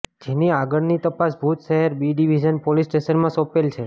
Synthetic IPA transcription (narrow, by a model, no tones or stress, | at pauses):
d͡ʒeniaɡəɽnit̪əpasbʱut̪ʃəɦəɾbiɖiʋid͡ʒənpolisʈesəɾmãsɔpelt͡ʃʰe